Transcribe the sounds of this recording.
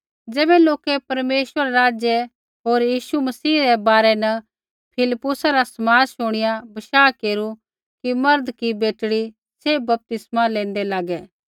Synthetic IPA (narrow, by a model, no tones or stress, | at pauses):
d͡ʒɛːbɛloːkɛpɐɾmeːʃwəɾaɾaːd͡ʒje | ɦoːɾjiːʃumɐsiːɾɛbaːɾɛnɐ | pʰɪlɪpːʊsaɾasɐmaːd͡ʒʃʊɽ̃ɪjabɐʃaːkeːɾu | kimɐɾd̪kibeːʈɽi | sebɐp̚t̪ɪsmãlẽːnd̪ɛlaːɡɛː